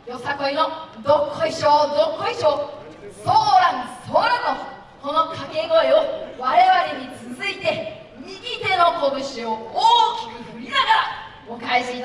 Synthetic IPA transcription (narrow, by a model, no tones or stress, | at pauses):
josakoinod̪okʰoiɕod̪okoiɕo | soːɾansoːɾano | kono̞kʰaɡe̞ɡoeoβaɾe̞βaɾʲiɲ̟it͡sɨzɨit̪e̞ | mʲiɡʲit̪e̞no̞koɡɯ̟ɕiooːkʲi̥kɯɸɯ̟ɾʲinaɡaɾa | mokaiɕiːt̪